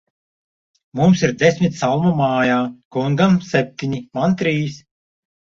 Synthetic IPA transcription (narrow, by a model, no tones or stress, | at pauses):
mumsiɾd̪esʲmʲit̪sawmamaːjaːkuŋɡamsep̚ʲt̪ʲiɲimant̪ɾiːs